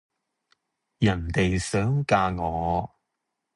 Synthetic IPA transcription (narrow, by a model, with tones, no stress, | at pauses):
jɐ˨˩nt̪e˨jsœː˨˥ŋkaː˧ŋɔː˨˧˦